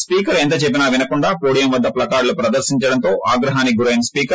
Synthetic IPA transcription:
spiːkɐɾent̪̬ɐt͡ʃep̬ːinɐːʋinɐkuɳɖaːpoːɽijɐmʋɐd̪ːɐplɐkaːɽlupɾɐd̪ɐɾʃiɲt͡ʃɐɽɐnt̪o̞ːʔaːɡɾɐɦaːniɡuɾɐjɐnspiːkɐ

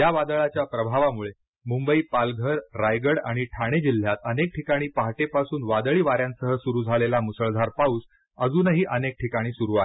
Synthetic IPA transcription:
jaʋad̪əɭat͡ɕjapɾəbʱaʋamuɭe | mumbəiːpalɡʱəɾːajɡəɽaɽ̃iʈʰaɽ̃ed͡ʑil̤ːjat̪ənek̚ʈʰikaɽ̃iːpaɦʈepasuːnʋad̪ɭiːʋaɾjãnsəɦəsuɾuːd͡zʱalelamusəɭd̪ʱaɾpauːs | əd͡zuːnəɦiːʔənek̚ʈʰikaɽ̃iːsuɾuae

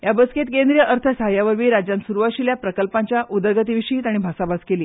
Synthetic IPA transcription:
jabəsket̪kend̪ɾijəʔəɾt̪ʰəsɦajaʋəɾʋiːɾad͡ʑjãnsuɾuʋaɕiljapɾəkəlpaɲt͡ɕjaʔud̪əɾɡət̪̬iʋiɕiːt̪aɽ̃ibʱasabaskeliː

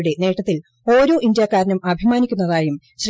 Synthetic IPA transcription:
ɽe̞ne̞ːʈːɐt̪ːil | o̞ːɾo̞ːʔind̪jaːkaːɾɐnɐmɐbʱimaːnikʲːunːɐðaːjum | ɕr

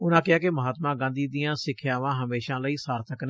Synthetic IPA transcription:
ʊnãːkɪɦaːkɪməɦaːt̪mãːɡãːnd̪iːd̪ijãːsɪkʰjaːʋãːɦəmeːʃãːləiːsaːɾt̪ʰəkne

